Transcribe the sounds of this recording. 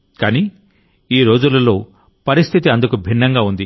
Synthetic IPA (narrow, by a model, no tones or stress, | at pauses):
kaːni | iːɾo̞ːd͡ʒulɐlo̞ː | pɐɾist̪ʰit̪iɐnd̪ukubʱinːɐŋɡaːund̪i